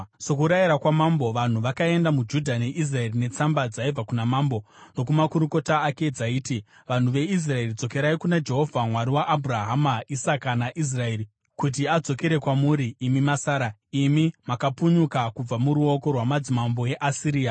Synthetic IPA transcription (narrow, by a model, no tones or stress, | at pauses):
sokuɾajiɾakwamambo̞ʋan̤uʋakae̞ndamud͡ʒudʱane̞ʔis̬rae̞rine̞t͡sambad͡zaib͡vakunamaːmbo̞no̞kumakuɾuko̞taːke̞d͡zaiːti | ʋan̤uʋe̞is̬rae̞rid͡zo̞ke̞ɾaikunad͡ʒe̞ɦo̞vʱamwaɾiwaʔːbʱuraɦamaisakanaʔis̬rae̞ːri | kut̬iad͡zo̞ke̞ɾe̞kwamuːɾiːmimasaːɾaimimakapuɲukakub͡vamuɾuo̞ko̞rwamad͡zimambo̞e̞ʔasiɾiːa